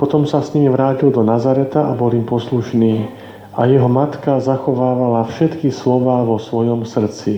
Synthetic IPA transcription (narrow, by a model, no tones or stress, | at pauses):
pɔt̪ɔmsasɲimiʋɾaːcild̪ɔnazaɾɛt̪aʔabɔlimpɔsluʃniː | ʔajɛɦɔmat̪kazaxɔʋaːʋalafʃɛt̪kislɔʋaːʋɔsʋɔjɔmsr̩t͡si